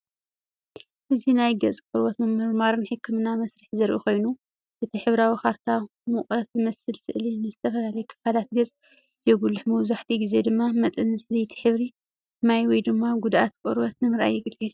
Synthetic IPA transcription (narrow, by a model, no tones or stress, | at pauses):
ʔɨzinajɡɐt͡sʼkʷʼɔɾwɐt̪mɨmɨɾmaɾɨnħɨkːɨmɨnamɐsɾɨħzɐɾʔṵxo̞jnu | ʔɨt̪ʰiħɨβɾawixaɾt̪ʰa | mukʼɐt̪mɐsɨlsɨ̰ʔlinɨzɨt̪ʰɐfɐlalɐjɛkʰɨ̥falat̪̚ɡɐt͡sʼ | jɛɡulːɨħmɐwzaħt̪ʰiɡize̞d̪ɨmːamɐt̪ʼɨnzzɐjt̪ʰi̥ħɨβɾi | majwɔjd̪ɨmːaɡud̪ʔat̪kʼɔɾwɔt̪nɨmɨɾʔa̰jːɪɡɨl